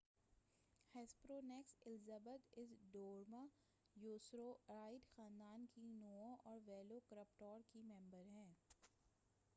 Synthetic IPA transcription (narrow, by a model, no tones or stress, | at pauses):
hɛːspɾoːnɛksɪlzəbəd̪ɪsɖoːɾma | joːsɾoɾaːɪɖxãːnd̪aːnkinoːõʔɔːɾʋɛːlokɾəpʈɔːɾkimɛ̃mbəɾɦɛ̃ː